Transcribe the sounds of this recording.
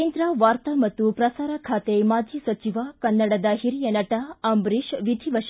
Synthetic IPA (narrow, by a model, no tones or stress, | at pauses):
end̪ɾaʋaɾt̪əmət̪uːpɾɐsaɾakʰat̪emad͡ʒʱiːsət͡ɕiʋakɐnːəɽad̪aɦiɾijənɐʈaɐmbɾiɕʋid̪ʱiʋəɕ